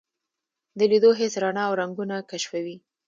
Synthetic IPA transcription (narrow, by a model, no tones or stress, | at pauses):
d̪əlid̪oɦesɾɑnɑːwɾaŋɡunakaʃfawi